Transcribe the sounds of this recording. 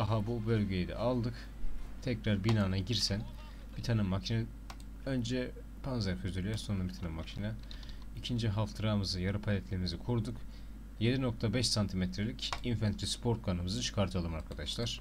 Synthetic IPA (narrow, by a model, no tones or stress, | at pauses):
aɦabubø̞lʲɟejid̪ɛ̰alˠd̪ɯk | t̪ʰɛcɾaɾbinaːnaɟiɾsæn | b̥it̪ʰanɯmːacʰinɛ | ø̞nd͡ʒɛ | pʰanzæɾkʰøzyɾʲijæɾso̞nuɾabit̪ʰanɯmːacʰina | icʰind͡ʒiɦaft̪ʰɯɾaːmɯzɯjaɾɯpʰalʲɛt̪lʲeimizikʰuɾd̪uk | je̞d̪ino̞k̚t̪ʰabɛʃsant̪ʰimɛt̪ʰɾelʲicinfant̪ʰɾispʰo̞ɾt̪̚kʰanɯmɯzɯt͡ʃʰɯ̥kʰaɾt̪ʰɯalˠɯmaɾkʰad̪aʃlˠaɾ̥